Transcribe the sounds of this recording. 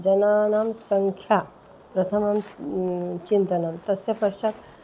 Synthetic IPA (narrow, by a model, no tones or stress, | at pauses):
d͡ʒɐnaːnaːmsɐŋkʰja | pɾɐt̪ʰɐmɐm | t͡ʃint̪ɐnaːmt̪ɐsjɐpɐʂʈɐk